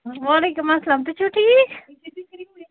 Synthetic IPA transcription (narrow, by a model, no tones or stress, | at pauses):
ʋaːleːkʊmasːɐlaːmt̪̬ut͡ʃʰuːʈʰiːk